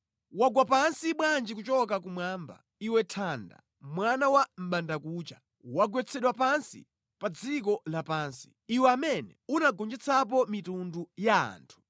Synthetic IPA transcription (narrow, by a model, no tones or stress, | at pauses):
waɡwapansiɓwand͡ʒikut͡ʃɔkakumwamba̰ | iwɛtʰanda̰ | mwanawam̩ɓandakuːt͡ʃa | waɡwɛt͡sʰɛɗwapansḭ | pad͡zik̬ɔlapaːnsi̥ | iwɛamɛnɛunaɡɔnd͡ʒɛt͡sʰap̬ɔmitundujaa̰ːntʰu̥